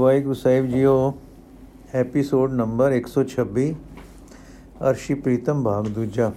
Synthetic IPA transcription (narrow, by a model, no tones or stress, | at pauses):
ʋaːikʊsaːjbd͡ʒiːoː | eːpisoːɖnɐ̃mbəɾeːksɔːt͡ʃʰɐbːiː | ɐ̰ɾʃipɾiːt̪əmbʱaːɡd̪uːd͡ʒaː